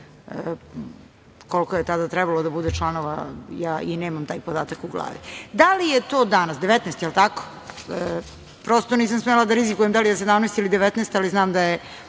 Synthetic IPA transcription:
ə | kolkojet̪ad̪at̪ɾɛbalod̪abud̪et͡ʂlˠanoʋa̰jaːʔineːmamt̪aːjpod̪aːt̪akuɡlˠa̰ːʋḭd̪alijet̪oːd̪anasd̪eʋet̪nest̪jelˠt̪ako̥ | pɾost̪oniːsamsmelad̪aɾizikujemd̪alijas̬ed̪amnest̪ilid̪eʋɛt̪nest̪aliznaːmd̪aje

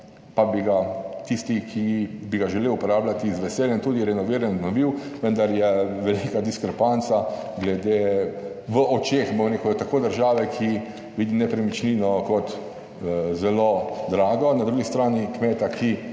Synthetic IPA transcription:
pabiɡat̪ist̪ikʰibiɡaʒɛleːwupɔɾaːblʲat̪izʋɛseːljɛnt̪uːd̪iɾɛnɔʋiːɾɛnnɔʋiwʋənd̪aɾjɛʋɛlikad̪iskɾɛpant̪sa | ɡlɛd̪e | ʋəʔɔt͡ʃeːxmomɾekɔt̪akoːd̪əɾʒaːʋɛkʰi | ʋiːd̪inɛpɾɛmit͡ʃninɔkɔt̪ | zɛloːd̪ɾaːɡɔnad̪ɾuɡist̪ɾaːnikmeːt̪aki

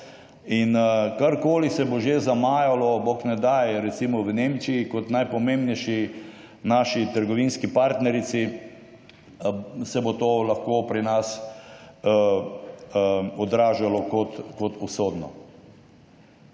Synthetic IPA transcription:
inkaɾkoːlisɛboʒezamaːjalɔboknɛd̪ajɾɛt̪simɔʋəneːmt͡ʃiikɔt̪najpɔmẽːmbnɛjʃi | naːʃit̪əɾɡɔʋiːnskipaɾt̪nɛɾit̪si | sɛbot̪oːlaxkoːpɾinas | ɔd̪ɾaːʒalɔkɔt̪kɔt̪usoːd̪nɔ̰

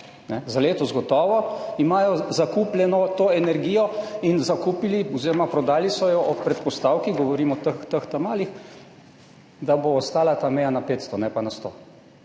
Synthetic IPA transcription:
nɛzaleːt̪ɔzɡɔt̪ɔːʋɔimaːjɔzakuːplʲjɛnɔt̪oːɛnɛɾɡiːjɔinzakupiliɔziːɾɔmapɾɔd̪aːlisɔjɔʔɔpɾɛt̪pɔst̪awkiɣɡɔʋɔɾiːmɔt̪əxt̪əxt̪amaːlix | d̪aboːst̪aːlat̪amɛjanapeːt̪st̪ɔnɛpanast̪o̰

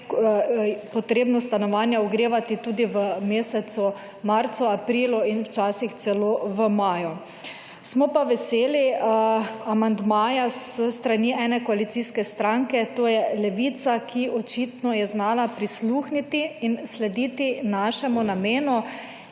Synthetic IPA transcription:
pɔt̪ɾeːbnɔst̪anɔʋanjɛuɡɾeːʋat̪it̪uːd̪iʋəmeːsɛt̪sɔ | maɾt̪suapɾiːluinwt͡ʃaːsixt̪sɛloːʋəmaːjɔ | smɔpaʋɛseːli | amand̪maːjasəst̪ɾaniʔɛːnɛkɔalit̪siːskɛst̪ɾaŋkɛt̪oːjɛlɛʋiːt̪sakʰiʔɔt͡ʃit̪nɔjɛznaːlapɾisluːxnit̪iːnslɛd̪iːt̪inaʃɛmunameːnu

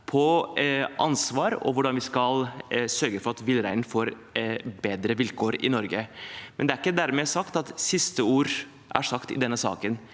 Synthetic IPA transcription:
pʰɔ | ʔɑnsʋɑːɾɔ̰ʋʊɖɑnʋɪskɑlsœɾɡəfɔɾɑt̪ʋɪlɾæɪnfoːɾ | beːd̪ɾəʋɪlkʰoːɾɪ̰nɔɾɡəmʔɛnd̪ɛæɾɪkːəd̪æɾmɛːsɑkt̪ɑt̪sɪst̪əuːɾ | ʔæ̰ʂɑkt̪ɪ̰d̪ɛnːəsɑ̰ːkən

